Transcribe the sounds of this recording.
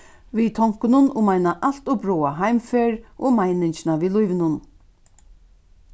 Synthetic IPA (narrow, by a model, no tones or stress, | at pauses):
viːt̪ʰɔwŋ̥kʊnʊnʔʊmajnaʔal̥t̪ʊbɾoːaɦajmfeːɾʔoːmajnɪɲt͡ʃɪnavilʊjʋɪnʊn